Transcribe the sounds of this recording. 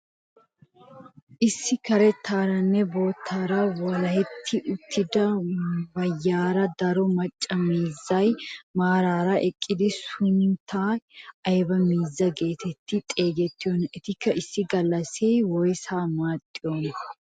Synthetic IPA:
ʔɪsːɪkɐɾɛt̪ʰːaːɾɐnːɛbo̞ːt̪ʰːaːɾɐwɔlɐhɛt̪ʰːɪʔʊt̪ʰːɪd̪ɐbɐjːaːɾɐd̪ɐɾɔmɐt͡ʃʼːɐmiːzːɐjmaːɾaːɾɐʔɛkʼːɪd̪ɪsʊnt̪ʰaːɐjbɐmiːzːɐɡe̞ːt̪ʰɛt̪ʰːɪt̪ʼe̞ːɡɛt̪ːɪɔnɛt̪ɪkːɐʔɪsːɪɡɐlːɐseːwɔjsaːmaːt̪ʼːɪjoːnɐ

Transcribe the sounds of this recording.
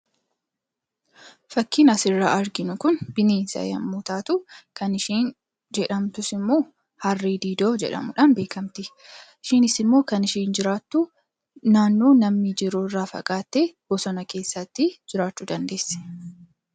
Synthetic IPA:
fɐkːiːnɐsɪrːaːʔɐɾɡɪnʊkʊnbɪneːnsɐ̰jɐ̰mːuːt̪aːt̪ʊkɐnɪʃiːn | d͡ʒɛᶑɐmt̪ʊsɪmːoː | hɐrːiːd̪iːd̪o̞ːd͡ʒɛ̰ᶑɐ̰mʊᶑanbe̞ːkɐmt̪ɪ | ɪʃiːnɪsɪmːo̞ːkɐnɪʃiːnd͡ʒɪɾaːt̪ːuː | naːnːoːnɐmnɪd͡ʒɪɾʊɪrːaːfɐ̰kʼaːt̪ːeːb̥ɔsɔnɐke̞ːsːɐt̪ːɪd͡ʒɪɾaːt͡ʃːuːd̪ɐnd̪e̞ːsːɛ̥

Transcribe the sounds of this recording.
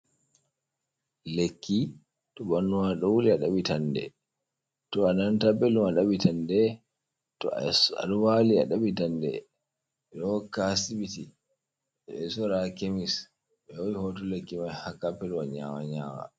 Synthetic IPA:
lekːi | tɔbanːumaɗɔwuliaɗaɓitandɛ̰ | tɔanantabɛlumaɗaɓitandɛ | tɔ̰a̰ɗuwalia̰ɗaɓitandɛ̰ | ɗɔkasibiti | ɛsɔɾakemis | ɓɛwowihɔtɔlekːimajhakːapːɛluwaɲa̰wa̰ɲaːwa̰

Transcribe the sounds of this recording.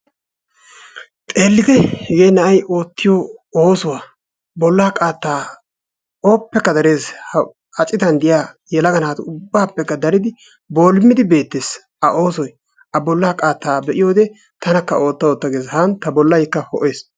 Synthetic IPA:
t̪ʼe̞ːlːɪd̪ɛhɛɡeːjnɐʔɐjʔo̞ːt̪ːɪjooːsʊwaː | bɔlːaːkʼaːt̪ːaː | oːpːɛkːɐd̪ɐɾe̞ːshɐ | ɐt͡ʃʼɪt̪ɐnd̪ɪjaː | jɛlɐɡɐnaːt̪ʊbːaːpːɛkːɐd̪ɐɾɪd̪ɪ | bo̞ːlɪmːɪd̪ɪbe̞ːt̪ːes | ɐʔoːsɔj | ʔɐbɔlːaːkʼaːt̪ːaːbɛʔɪjo̞ːd̪ɛ | t̪ɐnɐkːɐo̞ːt̪ːɐoːt̪ːɐɡeːshaːnt̪ɐbɔlːɐjkːɐhɔ̰ʔe̞ːs

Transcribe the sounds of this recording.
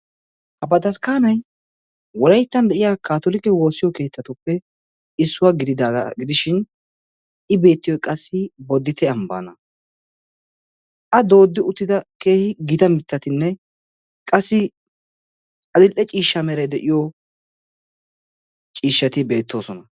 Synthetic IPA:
hɐbɐd̪ɐskaːnɐj | wɔɾɐjt̪ːɐnd̪ɛʔɪjaːkaːt̪ɔlɪkɛwo̞ːsɪjɔke̞ːt̪ʰːɐt̪ʊpːɛ | ɪsːʊwaɡɪd̪ɪd̪aːɡɐ̰ɡɪd̪ɪʃɪn | ɪbe̞ːt̪ːɪjɔjkʼɐsːɪbɔd̪ːɪt̪ʰɛɐmba̰ːnɐ | ʔɐd̪o̞ːd̪ːɪʊt̪ːɪd̪ɐke̞ːhɪɡɪt̪ɐmɪt̪ːɐt̪ɪnːɛ | kʼɐsːɪ | ɐd̪ɪlʔːɛt͡ʃʼiːʃːamɛɾɐjd̪ɛʔɪjo | t͡ʃʼiːʃːɐt̪ɪbe̞ːt̪ːo̞ːsɔnɐ

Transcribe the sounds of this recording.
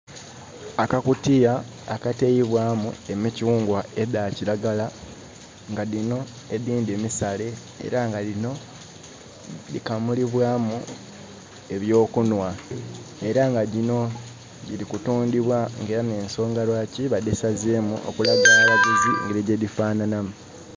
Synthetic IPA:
akakutijaː | katejiβwaːmue̞miciuːŋɡwae̞ðaːcilaɡala | ŋɡaðino̞ | eðiːndeːmisale̞ | ḛɾaŋɡalino̞ | likamuliβwaːmu | e̞βjo̞ːkunwa | e̞ɾaŋɡaɟino̞ | ɟilikutuːndiβwaŋɡe̞ːɾane̞ːnso̞ːŋɡaɾwaciβadesazemṵʔo̰kulaɡalalaɡuziŋɡeliɟedifaːnanamu

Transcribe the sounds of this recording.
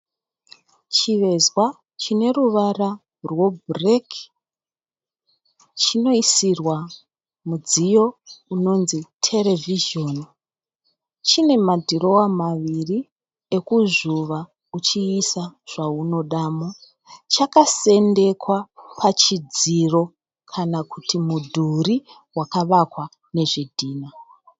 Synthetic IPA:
t͡ʃiʋe̞zwa | t͡ʃine̞ɾuʋara | rwo̞brek | t͡ʃino̞isirwa | mud͡zijo̞uno̞nzitʰe̞le̞viʒo̞n | t͡ʃine̞madʱiɾo̞wamaʋiri | e̞kuzuʋa | ut͡ʃiːsaʐ̥auno̞ɗaːmo | t͡ʃakase̞nde̞kwapʰat͡ʃid͡ziro̞ | kʰanakutʰimudʱuri | wakaʋakwa | ne̞ʐedʱiːna

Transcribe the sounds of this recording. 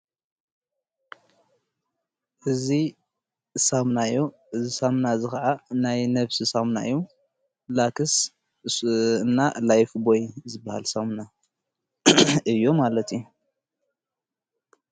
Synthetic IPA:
ʔɨzi | samnajːo | ʔɨzisamnazɨxɐʕanajnɐβsisamna̰ɨjːu | lakʰɨs | nːalajfbojzɨbːaha̰lsamna | ʔɨjːo̞malɐt̪ju

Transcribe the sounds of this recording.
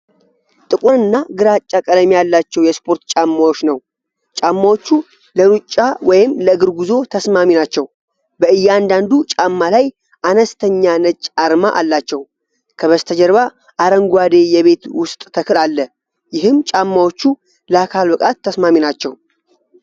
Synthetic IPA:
t̪ʼɨkʼoɾɨnːaɡɨɾat͡ʃʼːakʼəd̪əmijalːat͡ʃːɛwjɛspʰo̞ɾt̪t͡ʃʼamːawot͡ʃːnəw | t͡ʃʼamːawot͡ʃːu | ləɾut͡ʃʼːawɔjɪmləɨɡɨɾɡuzo̞t̪ʰəsmaminat͡ʃːɛw | bəɨjːɛand̪and̪ut͡ʃʼamːalaj | ʔanəst̪ʰəɲːanət͡ʃʼːaɾmaʔalːat͡ʃːɛw | kʰəβəst̪ʰəd͡ʒəɾβa | ʔaɾəŋɡʷwad̪e̞jɛβe̞t̪wʊst̪ʼt̪ʰəkʰɨlalːə | jɪɦɨmt͡ʃʼamːawot͡ʃːu | ləakʰalbɨkʼat̪ʰːəsmaminat͡ʃːɛw

